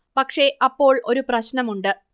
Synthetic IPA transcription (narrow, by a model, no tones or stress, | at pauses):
pɐkʂe̞ʔɐpːo̞ːɭo̞ɾuprɐɕnɐmuɳɖɨ